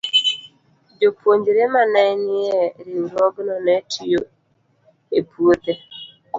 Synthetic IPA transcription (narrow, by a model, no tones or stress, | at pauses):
d͡ʒopuoɲd͡ʒiɾemanaɪnɪeɾiuɾɔɡʊnɔnetijo | epuot̪e